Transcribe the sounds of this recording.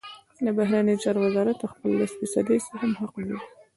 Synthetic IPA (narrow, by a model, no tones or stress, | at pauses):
ləbaɦɾanəjot͡ʃɑɾowəzɑɾat̪ːaxpəlaɪsfɪsɑ̰d̪esaɦamɦaqwi